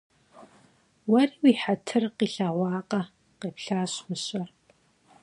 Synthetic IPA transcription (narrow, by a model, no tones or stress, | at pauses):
wɐriːwiːħatʰɨrqiːɬaʁʷɑːqɐ | qeːpɬaːɕmɨɕɐr